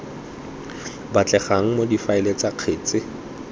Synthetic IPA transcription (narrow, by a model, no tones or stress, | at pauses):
bat͡ɬʼɛχaŋ̩modifaɪlet͡saq͡χʰeːt͡sʼɪ